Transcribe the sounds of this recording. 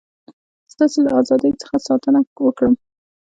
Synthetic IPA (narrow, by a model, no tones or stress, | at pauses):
z̥d̪ɑselaɑzɑd̪əjt͡sə̥xasɑt̪ənawəkɽəm